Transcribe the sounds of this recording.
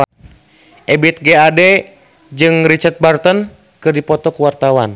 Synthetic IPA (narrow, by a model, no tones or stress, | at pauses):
ʔɛbit̪̚ɡeadɛ | d͡ʒɨŋɾit͡ʃat̪̚bart̪ɔn | kɨrdipɔt̪ɔkuwart̪awan